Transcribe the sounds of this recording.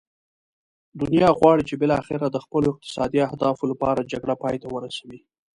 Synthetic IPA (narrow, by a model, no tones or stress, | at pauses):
d̪ʊnijɑɣwɑɽit͡ʃebɪlɑaxɪɾad̪əxpəloɪq̚t̪ɪ̥sɑd̪iahd̪ɑfolapɑɾad͡ʒaɡɽapɑjt̪awəɾasawi